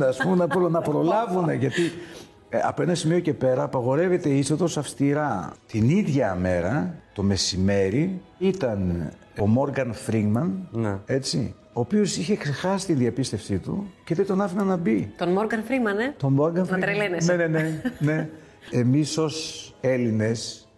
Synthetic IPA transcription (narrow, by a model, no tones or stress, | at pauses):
nɐspumenɐpɾonɐpɾo̞lɐvune̞ʝɐt̪i | ɐ̰poe̞nɐsimio̞ce̞pe̞ɾɐːpɐɣo̞ɾe̞ve̞t̪e̞isoðo̞sɐfst̪iɾɐt̪iniðʝɐme̞ɾɐt̪o̞me̞sime̞ɾiit̪ɐn | omo̞ɾɡɐnfɾiŋɡmɐnne̞t͡sḭ | oːpio̞siçe̞kse̞xɐsi̥t̪inðiɐpist̪efsit̪ṵceðet̪o̞nɐfinɐnɐbit̪onmoɾɡɐnfɾiɡmɐnet̪o̞moɾɡɐɐɾelenesnenenene̞ | emiso̞se̞line̞s